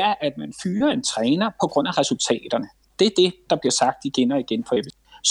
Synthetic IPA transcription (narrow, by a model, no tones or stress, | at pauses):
æɐʔæd̥mænfyːɐe̝nt͡sʰʁɛːnɐpʰɒ̽ɡ̥ʁɔ̽n̰æʁɛsult͡sʰɛ̰ːd̥ɐnə | d̥e̝æɐd̥e̝d̥ɑ̈b̥liɐsɑ̈ɡ̥̚d̥iɡ̥enɒiɡ̥enfɒed̥ə | s